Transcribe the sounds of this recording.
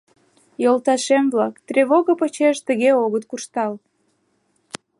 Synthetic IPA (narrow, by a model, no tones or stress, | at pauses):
jolt̪ɑʃemvlɑkt̪rʲeβoɣəpət͡ɕeʃt̪əɣeoɣət̪̚kuʃt̪ɑl